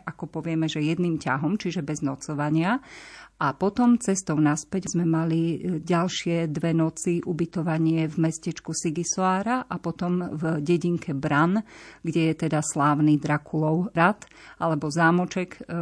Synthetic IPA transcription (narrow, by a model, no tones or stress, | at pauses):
ʔakɔpɔʋɪɛmɛʒɛjɛd̪niːmca̰ɦɔmt͡ʃiʒɛbɛznɔt͡sɔʋaɲɪaʔapɔt̪ɔmt͡sɛst̪ɔʊnaspɛɟzmɛmaliɟalʃɪɛd̪ʋɛnɔt͡siʔubit̪ɔʋaɲɪɛvmɛscɛt͡ʃkusiɡisɔaːɾaʔapɔt̪ɔmvɟɛɟiŋkʰɛbɾanɡɟɛjɛt̪ɛd̪aslaːʊnid̪ɾakʰulɔʊɾat̪ | ʔalɛbɔzaːmɔt͡ʃɛk